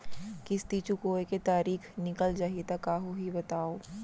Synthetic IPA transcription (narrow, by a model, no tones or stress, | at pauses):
kiɪst̪it͡ʃukoːeket̪aːɾiːkʰnɪkəld͡ʒaːɦiet̪ɐkaːɦoɦibɐt̪aːoː